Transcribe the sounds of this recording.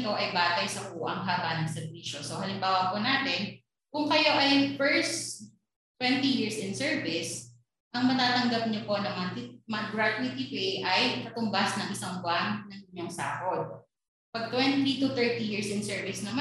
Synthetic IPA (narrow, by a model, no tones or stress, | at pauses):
k̪oʔɐjbaːt̪ɐjsɐkuːʔɐŋɦaːbanɐŋsɛɾviːʃosohɐlɪmbaːwɐpʊnaːt̪ɛn | kʊŋkɐjo̞ʔɐjfɛɹs | t̪ːwɛnt̪ijɪɹsʔɪnsɛɹvɪs | ʔɐŋmɐt̪aːt̪ɐŋɡɐp̚ɲopo̞nɐŋmɐɐt̪imɐɐɡɹat̪ʊɪt̪ipɛjʔɐjkɐt̪ʊmbasnɐŋʔɪsɐŋbwannɐŋɪɲːoŋsa̰ːkot̪̚ | pɐɡ̚t̪wɛnt̪it̪ʊt̪ɛɹt̪ijiɹsɪnsɛɹvɪsnɐma